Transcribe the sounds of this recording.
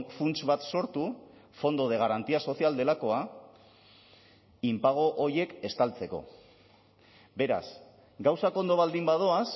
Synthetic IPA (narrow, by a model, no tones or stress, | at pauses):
funt͡ʃβat̪so̞ɾt̪ufo̞nd̪o̞ð̞e̞ɣ̞aɾant̪iaso̞siald̪e̞lako̞a | impaɣ̞o̞ʔːɾje̞ke̞st̪alt͡se̞ko̞̰ | be̞ɾa̰s | ɡawsakoo̞nd̪o̞βald̪imbaðo̞as